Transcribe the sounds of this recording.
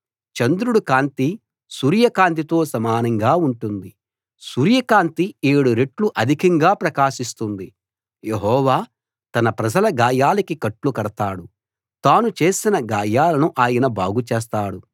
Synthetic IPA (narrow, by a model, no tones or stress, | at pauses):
t͡ʃɐnd̪ɾuɽukaːnt̪i | suːɾijɐkaːnt̪̬it̪o̞ːsɐmaːnɐŋɡaːuɳʈund̪i | suɾjɐkaːnt̪ieːɽuɾe̞ʈluʔɐd̪ʱikɐŋɡaːpɾɐkaːʃist̪und̪i | jeɦɔːʋaː | t̪ɐnɐpɾɐd͡ʒɐlɐɡaːjaːlɐkikɐʈlukɐɽɐt̪aːɽu | t̪aːnut͡ʃe̞ːsinɐɡaːjaːlɐnuʔaːjɐnɐbaːɡut͡ʃeːs̬t̪aːɽu